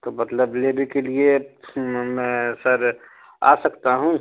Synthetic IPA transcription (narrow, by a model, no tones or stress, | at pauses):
t̪omɐt̪ləblebekelie | mɛ̃səɾ | a̰sɐkt̪aɦũ